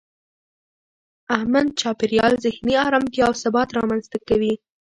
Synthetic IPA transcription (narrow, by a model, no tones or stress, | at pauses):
ahmad̪̚t͡ʃɑpɪɾjɑlzɪhniɑɾɑmkeawsabɑt̪ɾɑmanzt̪akawi